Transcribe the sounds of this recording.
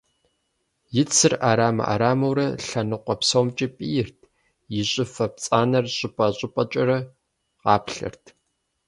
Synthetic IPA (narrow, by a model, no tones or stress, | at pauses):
jɪt͡sʰɨraːɾaːmɐ̰ʔa̰ːɾaːmɐwɾɐɬɐnɨqʷɔpsoːmt͡ʃʼipʼiːjɪrtʰ | jɪɕʼɪfɐp̚t͡sʼaːnɐrɕʼɪpʼɐɕʼɪpʼɐt͡ʃʼɐrɐ | qɑːpɬɐ̰rtʰ